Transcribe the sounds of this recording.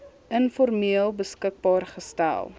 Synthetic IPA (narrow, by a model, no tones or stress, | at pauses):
ənfɔrmiəlˠbəskək̚bɑːrχəstæ̰lˠ